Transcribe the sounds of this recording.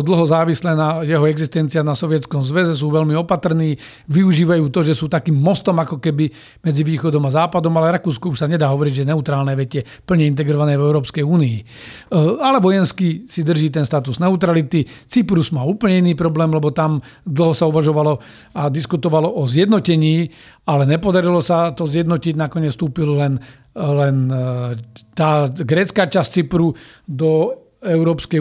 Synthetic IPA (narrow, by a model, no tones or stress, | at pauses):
d̪l̩ɦɔzaːʋislɛːnajɛɦɔɛɡzist̪ɛnt͡sianasɔʋɪɛt͡skɔmzʋɛzɛs̬uːʋɛlmiɔpat̪r̩niː | ʋiuʒiːʋajuːt̪ɔʒɛsuːt̪akiːmːɔst̪ɔmakɔkɛbi | mɛd͡ziʋiːxɔd̪ɔmazaːpad̪ɔmalɛɾakuːskɔuʃsaɲɛd̪aːɦɔʋɔɾiɟʒɛɛnɛut̪ɾaːlnɛʋɛcɪɛ | pl̩ɲɛint̪̬ɛɡɾɔʋanɛːvɛʊɾɔːpskɛjuːniː | alɛʋɔjɛnskisid̪r̩ʒiːt̪̬ɛnst̪at̪uznɛut̪ɾalit̪it͡sipɾuzmaːuːpəlɲɛiniːpɾɔblɛːmlɛbɔt̪amd̪l̩ˠɦɔsauʋaʒɔʋalɔ | ad̪iskut̪ɔʋalɔʔɔzjɛd̪nɔcɛɲiː | alɛɲɛpɔd̪aɾilɔsat̪ɔzjɛd̪nɔciɟnakɔɲɛt͡sst̪uːpillɛn | lɛn | t̪aːɡɾɛːt͡skaːt͡ʃast͡sipɾud̪ɔ | ɛʊɾɔːpskɛ